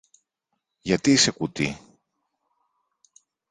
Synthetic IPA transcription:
jɐt̪iise̞kut̪ḭ

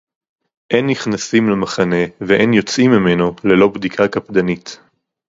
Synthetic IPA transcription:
ʔenːiχnasimlemaχane̞veʔenjo̞t͡simːimenole̞lo̞bd̪ikʰakapd̪anit

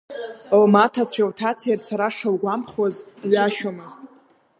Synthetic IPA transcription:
owmatʰat͡sʷʰawtʰat͡sʰijart͡sʰaɾaʂalɡʷampχazaɥaʃomɨztʼ

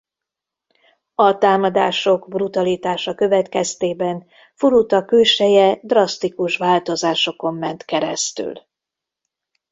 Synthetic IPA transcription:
ɒt̪aːmɒd̪aːʃo̞ɡbrut̪ɒlit̪aːʃɒkø̞vɛt̪kɛst̪eːbɛn | fuɾut̪ɒkøːʃɛjɛd̪rɒst̪ikuʃʋaːlt̪o̞zaːʃo̞ko̞mːɛnt̪kɛɾɛ̰st̪y̰l

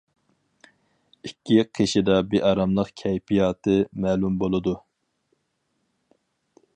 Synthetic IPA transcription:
ikʲʰːiqʰeʃid̪ɑbeʔɑɾɑmlˠəqkʲʰɛjpʰijɑːt̪ʰɨmæːlumbolˠɨd̪u

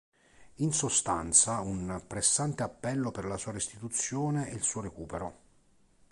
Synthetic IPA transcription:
insost̪a̰nt̪saunpɾesant̪eapːɛlːoperlasuːaɾist̪it̪ut̪sːjoːneɛilsuːoɾekuːpeɾo

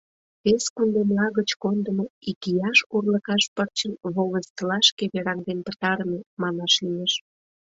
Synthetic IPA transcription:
peskund̪emlɑɣət͡ɕkond̪əmoikijɑʃkurləkɑʃpərt͡ɕənβoləst̪əlɑʃkeβeɾɑŋd̪enp̪ət̪ɑɾəmemɑnɑʃiməʃ

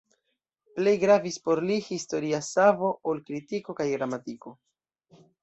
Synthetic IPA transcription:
ple̞jɡɾavispo̞ɾlihisto̞ɾiasavo̞ʔolkɾitiko̞kajɡɾamatiko̞

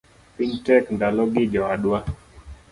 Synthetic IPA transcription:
piɲtɛkndalɔɡiʄɔaɗwa

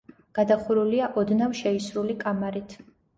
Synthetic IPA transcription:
ɡ̥ad̪aχuɾuliaʔɔd̪navʃɛisɾulikʼamaɾit̪ʰ

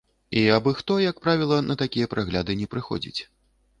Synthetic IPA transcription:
iabɨxt̪ɔjak̚pɾavʲilˠɐnʔɐt̪akʲijɐpɾʔaɣlʲad̪ɨnʲɛpɾɨxɔ̰d͡zʲḭt͡sʲ

